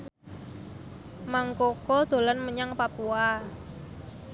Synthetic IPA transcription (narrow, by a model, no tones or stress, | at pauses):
maŋkokod̥d̪̥o̤lanməɲaŋpapua